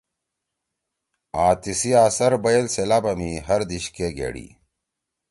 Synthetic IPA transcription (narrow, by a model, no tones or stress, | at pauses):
aːt̪isiaːsɐɾbɐjelselaːbɐmiɦɐɾd̪iɕkeɡḛːɽḭ